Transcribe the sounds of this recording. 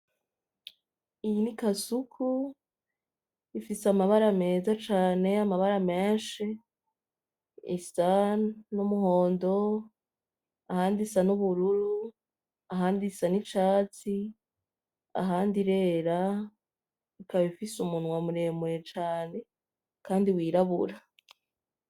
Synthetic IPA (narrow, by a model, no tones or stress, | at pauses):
ijinikasukʰu | ifisamaβaɾame̞ːzat͡ʃaːne̞amaβaɾameːnʃe | ḭsanumuho̞ːndo̞ | ahaːndisanuβuɾuɾu | aɦaːndisanit͡ʃaːt͡si | a̰ɦaːndiɾe̞ːɾa | ikaβifisumunwamuɾe̞mwet͡ʃaːne̞ | kʰaːndiwiːɾaβṵɾa